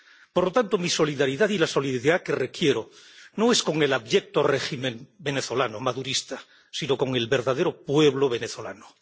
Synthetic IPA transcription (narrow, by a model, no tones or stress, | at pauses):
po̞ɾlot̪ant̪omiso̞liðaɾiðaðilaso̞liðiðake̞re̞kje̞ɾono̞e̞sko̞ŋe̞laβje̞k̚t̪o̞re̞ximẽ̞mbe̞ne̞θo̞lanomaðuɾist̪a | sino̞ko̞ŋe̞lβe̞ɾðaðe̞ɾo̞pwe̞βloβe̞ne̞θo̞la̰no